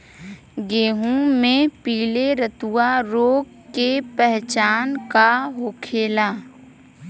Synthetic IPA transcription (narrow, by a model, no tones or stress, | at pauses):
ɡeːɦũmẽpiːleɾət̪uwaɾoːɡ | kepɛɦt͡ʃaːnkaɦoːkʰeːlaː